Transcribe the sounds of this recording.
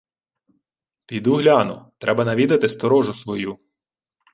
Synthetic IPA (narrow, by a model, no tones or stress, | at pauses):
pʲijd̪uɦlʲɑnʊ̰t̪ɾʔɛbɐnɐʋʲid̪ɐt̪ɪst̪ɔɾɔʒʊsʋɔju